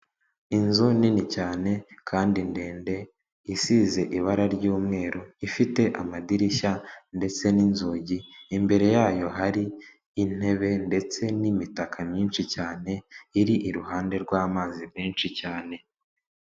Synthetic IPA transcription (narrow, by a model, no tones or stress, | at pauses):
inzuninicaːne̞kʰaːndindeːnde̞ | isize̞ʔiβaɾaɾɟuːmŋe̞ːɾoifite̞ʔamadiɾiçande̞t͡se̞ninzoːɟiːmbe̞ɾe̞jaːjo̞ɦaɾiː | n̥e̞βe̞nde̞t͡se̞nimitakʰamɲiːnʃicaːne̞iɾiʔiɾuɦaːnde̞ɾɡwaːmaːzimmiːnʃicaːne̞